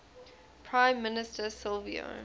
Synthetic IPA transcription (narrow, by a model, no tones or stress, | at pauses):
pʰɹãɪ̃mːɪnɪstəsɪlvḭo̰